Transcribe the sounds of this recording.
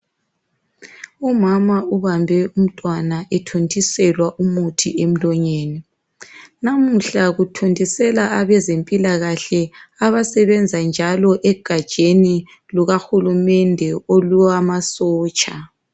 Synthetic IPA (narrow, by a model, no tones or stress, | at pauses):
umamauβambʱɛum̩tʼwanaʔɛtʰontʰʼisɛlwaʔumutʰiem̩lɔɲeːni | namuɬaɣutʰontʼisɛlaʔaβɛzempʼilaɣaɬɛaβasɛβɛnd͡zʱand͡ʒʱalɔʔɛɡ̥ʱad̥ʒ̥ʱeni | luɣaxulumɛndʱɛoluamasɔːt͡ʃʼa